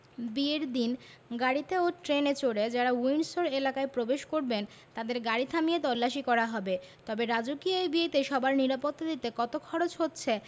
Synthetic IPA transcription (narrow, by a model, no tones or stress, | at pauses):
bieɾd̪inɡaɽit̪eoʈɾenet͡ɕoɽed͡ʑaɾauinsoɾelakaepɾobeʃkoɾben | t̪ad̪eɾɡaɽit̪ʰamijet̪ɔlːaʃikɔɾaɦɔbe | t̪ɔbeɾad͡ʑokioejbiejt̪eʃɔbaɾniɾapot̪ːad̪it̪ekɔt̪okʰɔɾot͡ɕɦotːɕʰe